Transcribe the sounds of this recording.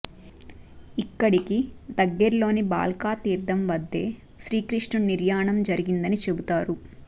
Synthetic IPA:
ikːɐɽikid̪ɐɡːɛɾlo̞ːniba̰ːlkaːt̪iːɾd̪ɐmʋɐd̪ːe̞ː | ʃɾiːkɾiʂɳɐniɾjaːɳɐmd͡ʒɐɾiɡind̪ɐnit͡ʃebut̪aːɾu

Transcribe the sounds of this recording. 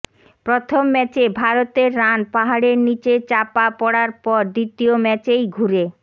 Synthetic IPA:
pɾot̪ʰomːɛt͡ɕebʱaɾot̪eɾːanpaɦaɽeɾnit͡ɕet͡ɕapapɔɽaɾpɔɾd̪it̪iomɛt͡ɕejɡʱuɾe

